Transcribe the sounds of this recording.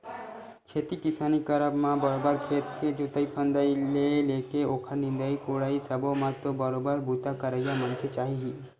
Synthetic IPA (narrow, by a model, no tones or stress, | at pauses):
kʰet̪ikɪsaːnikəɾəbmãbəɾobəɾkʰeːt̪ked͡ʒut̪əipʰə̃nd̪əileleːkeoːkʰəɾnɪ̃nd̪əikoɽaːisəbomãt̪obəɾobəɾbʱut̪akəɾəjamənkʰet͡ʃaːɦiɦi